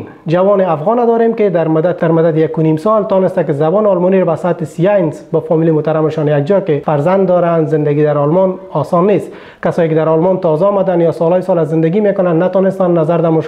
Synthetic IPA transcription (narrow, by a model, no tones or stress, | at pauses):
d͡ʒawɔnɪafɣɔnad̪ɔɾemkɪd̪aɾmʊd̪aaɾmʊd̪ad̪ɪjakʊnimsɔlt̪ɔnɪst̪akɪzabɔnɪɔlmɔniɾbasat̪ɪsijajnsbɔfɔmilimʊht̪aɾamɪʃɔnjak̚d͡ʒɔkɪfaɾzand̪ːɔɾanzɪnd̪aɡid̪aɾɔlmɔnɔsɔnːest̪ | kasɔːjikɪd̪aɾɔlmɔnt̪ɔzaɔːmad̪anjɔsɔlɔjsɔlazɪnd̪aɡimekʊnanːat̪ɔnɪst̪anːazaɾd̪amʊ